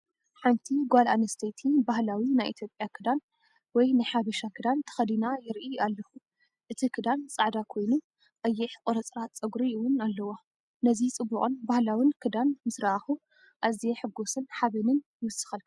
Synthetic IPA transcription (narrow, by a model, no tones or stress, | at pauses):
ħɨnt̪ʰiɡʷalʔanɐst̪ʰejt̪ʰibahlawinajʔit̪ʰjo̞pʼjakʰɨd̪an | wɔjnajħaβɐʃakʰɨd̪ant̪ʰɐ̥xɐd̪inajɪɾʔialːɐxu | ʔɨt̪ʰikʰɨd̪ant͡sʼaʕd̪akʰo̞jnu | ʔɐjːɛħkʼoɾɐt͡sʼɾat͡sʼɐɡɾiiwʊnalːɐwo | nɐzit͡sʼɨbːuqʼɨnbahlawinkʰɨd̪anmɨsɾaxu | ʔazieħɨɡːosɨnħaβenɨnjɨwɨsɨ̥xɐl